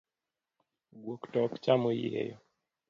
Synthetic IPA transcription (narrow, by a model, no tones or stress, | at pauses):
ɡwɔktɔkt͡ʃamɔjɛ̰jɔ